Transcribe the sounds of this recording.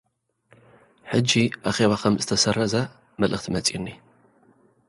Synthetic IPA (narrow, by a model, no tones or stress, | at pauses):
ħɨd͡ʒiaχewɐχɐmzɨ̥t̪ʰɐsɐrɐzɐ | mɨlʔɨχt̪ʰmɐt͡sʼḭnːi